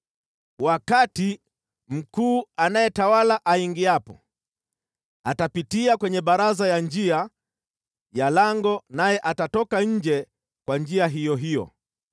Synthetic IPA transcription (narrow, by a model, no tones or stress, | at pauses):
wakati | m̩kuːanajɛtawalaʔaiŋɡiapɔ̰ | atapitiakwɛɲɛɓaɾazajand͡ʒia | jalaŋɡɔnajɛʔatatɔkaɲ̩d͡ʒɛ | kwand͡ʒiaɦijɔɦijɔ̰